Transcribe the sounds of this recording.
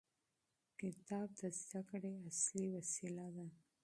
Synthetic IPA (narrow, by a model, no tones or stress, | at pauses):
kɪt̪ɑb̚d̪azd̪akɽeasliwasilad̪a